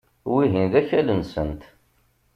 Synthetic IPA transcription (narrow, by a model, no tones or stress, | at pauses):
wiɦinðæçælənsə̰nt̪